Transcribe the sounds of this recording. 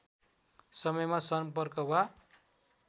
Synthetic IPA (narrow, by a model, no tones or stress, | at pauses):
sʌmʌjmasʌmpʌrkʌbʱa